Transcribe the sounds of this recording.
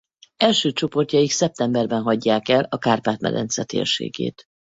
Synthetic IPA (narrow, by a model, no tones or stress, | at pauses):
ɛlʃøːt͡ʃo̞po̞rt̪jɒiksɛp̚t̪ɛmbɛrbɛnɦɒɟːaːkɛlɒkaːrpaːt̪mɛ̰ɾɛ̰nt̪sɛt̪ḛːrʃḛːɡḛːt̪